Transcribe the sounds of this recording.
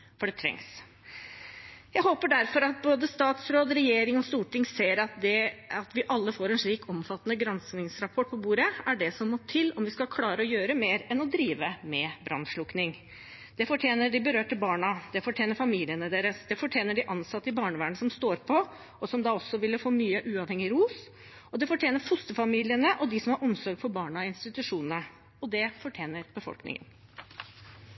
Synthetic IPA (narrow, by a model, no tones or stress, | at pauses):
fɔɖɛt̪ʰɾɛ̰ŋs | jæɪhoːpəɖæɾfɔɾɑt̪̚boːd̪əst̪ɑːt̪sɾoːd̪ɾɛjeːɾɪŋɔst̪uːʈɪŋseːɾɑt̪̚d̪ɛɑt̪ʋɪʔɑlːəfoːɾɛnʂɭiːkʰɔmfɑt̪ːənəɡɾɑnsnɪŋsɾɑpʰɔʈ̚ːpʰɔbuːɾəæɖɛsɔmːɔt̪ʰɪlːɔmʋɪskɑlkʰlɑːɾəɔjøːɾəmeːɾɛnɔd̪ɾiːʋəmɛbɾɑ̰nʂɭʊknɪŋ | d̪̥ɛfɔʈʰjeːnəɖɪbəɾøːʈəbɑːɳɑd̪̥ɛfɔʈʰjeːnəɾfɑmiːlɪənəd̪eːɾəsd̪ɛfɔʈʰjeːnəɖɪʔɑnsɑt̪ːəɪbɑːɳəʋæːɳəsɔmst̪oːɾpʰɔ | ɔsɔmd̪ɑːɔsːɔʋɪlːəfoːmyːəʔʉːɑʋhɛŋːɪɾuːs | ɔd̪ɛfɔʈʰjeːnəɾfʊst̪əfɑmiːlɪənəʔɔd̪ɪsɔmhɑɾʔɔmsɔɾɡfɔɾbɑːɳɑɪnst̪ɪt̪ʉʂuːnnə | ɔd̪ɛfɔʈʰjeːnəɾb̥əfɔ̰lknɪ̰ŋə̰n